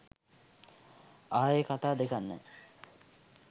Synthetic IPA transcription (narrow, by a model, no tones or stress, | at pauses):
aːjekat̪aːd̪ekanːə̰